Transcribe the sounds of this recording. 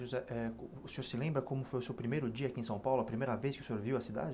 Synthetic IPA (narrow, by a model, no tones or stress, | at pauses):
uzɛʔɛʊseoɾsɪlẽmbɾɐkõmʊfojʊsewpɾimejɾʊd͡ʒiɐakiẽsɐ̃w̃pawlʊɐpɾimejɾɐveskɪʊ̥sẽoɾviwɐsid̪a̰d͡ʒɪ